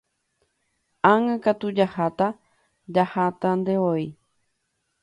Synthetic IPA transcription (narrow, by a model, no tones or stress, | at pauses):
ãŋãkat̪ud͡ʒahat̪a | d͡ʒahat̪and̪eoi